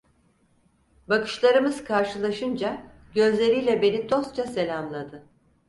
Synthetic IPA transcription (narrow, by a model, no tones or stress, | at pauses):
bakɯ̥ʃlˠaɾɯmɯzkʰaɾʃɯlˠaʃɯnd͡ʒa | ɟø̞zlʲe̞ɾijlʲɛbe̞nid̪o̞st̪̚t͡ʃase̞lʲamlˠad̪ɯ